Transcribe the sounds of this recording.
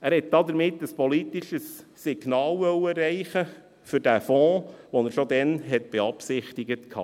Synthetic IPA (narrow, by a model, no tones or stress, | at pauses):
æːɾhɛt̪̚d̥̪ɑd̪əɾmɪtːəspɔlit̪iʃəsː | ɪɡ̥nɑːlʋœwərːɛɪχə | fʏɾdæfɔ̃ːʋɔnəɾʃod̪ɛnɦɛtb̥ɛɑpsɪχt̪iɡətkʰɑ̰ː